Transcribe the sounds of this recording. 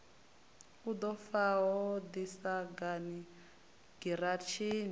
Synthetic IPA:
ud̪ɔfawɔd̪isaɡani | ɡ̥iɾat͡ʃʰiːni

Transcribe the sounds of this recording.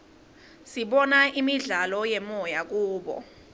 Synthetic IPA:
siɓɔnaʔimiɮalɔjɛmɔjak̬uːɓɔ̰

